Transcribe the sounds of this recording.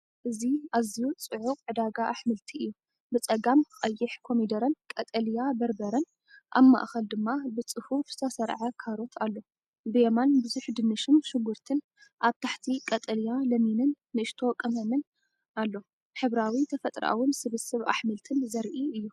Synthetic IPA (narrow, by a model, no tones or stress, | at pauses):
ʔɨziazijut͡sʼɨʕʊqʼʕɨd̪aɡaʔaħmɨlt̪ʰiɨjːu | bɨt͡sʼɐɡamkxʼɐjːɪħkʰo̞mid̪ɐɾɐnkʼɐt̪ʼɐljabɐɾbɐɾɐn | ʔa̰βma̰ʔxɐld̪ɨmːabɨt͡sʼɨfufz̥ɨ̥t̪ʰɐsɐɾʕakʰaɾo̞t̪ʰalːo̞ | bɨjemanbɨzuħd̪ɨnɨʃɨnʃɨɡuɾt̪ʰɨn | ʔaβt̪ʰaħt̪ʰikʼɐt̪ʼɐljalɐminɨnːɨʔɨʃt̪ʰo̞kʼɐmɐmɨn | ʔalːo̞ | ħɨβɾawit̪ʰɐfɐt̪ʼɾʔa̰wɨnsɨβɨsɨβa̰ħmɨlt̪ʰɨnzɐɾʔiɨjːu